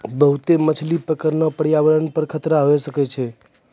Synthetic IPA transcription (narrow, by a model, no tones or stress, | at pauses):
bəɦut̪emət͡ʃʰlipəkəɾnopəɽjaʋəɾənpəɾkʰət̪ɾaɦoesəket͡ʃʰe